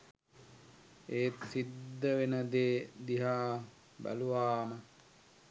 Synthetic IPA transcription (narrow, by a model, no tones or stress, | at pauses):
eːt̪sid̪ːəʋenəd̪eːd̪iɦaː | bæ̰luʋaːmə